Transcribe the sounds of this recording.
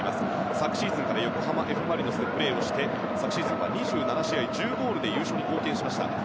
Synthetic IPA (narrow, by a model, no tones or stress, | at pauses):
imasɨ̥ | sakɯ̟̥ɕiːzɨ̃ŋkaɾajo̞koɦamaʔe̞ɸɯ̟maɾʲinosepːɯɾe̞ːo̞ɕi̥t̪e̞ | sakɯ̟ɕizɨ̃ɰ̃βa̰ɲ̟iʑɨːnanaɕiaid͡ʑɨːɡo̞ːɾɯ̟d̪e̞jɯːɕoːɲ̟iko̞ːkẽ̞ɰ̃ɕimaɕi̥t̪a̰